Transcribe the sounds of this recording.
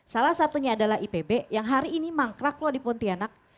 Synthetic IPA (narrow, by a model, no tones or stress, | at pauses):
salahsat̪uɲaːdalaɦipebejaŋɦaɾiːnimaŋkɾaklɔdipɔnt̪ianak̚